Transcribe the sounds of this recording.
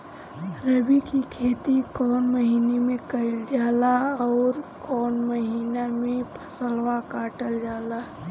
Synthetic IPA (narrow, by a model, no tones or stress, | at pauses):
ɾəbikikʰeːt̪ikɔːnməɦiːnemẽkəɪld͡ʒaːlaɔːɾkɔːnməɦiːnamẽpʰə̥səlwakaːʈəld͡ʒaːla